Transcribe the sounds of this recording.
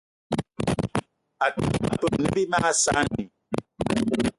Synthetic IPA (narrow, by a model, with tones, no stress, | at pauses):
a˨tu˦˨a̰˨pə˨mnə̰˦bi˦ma˦sa˦ni˨